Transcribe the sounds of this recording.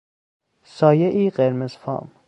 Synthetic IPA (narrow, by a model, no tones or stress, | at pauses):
sɒːjeʔiːɢeɾmezfɒ̰ːm